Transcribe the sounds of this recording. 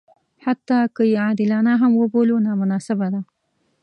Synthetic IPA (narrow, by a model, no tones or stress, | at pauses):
hat̪ːɑkəjead̪ɪlɑnaɦamwəbolunɑmʊnɑsɪbad̪a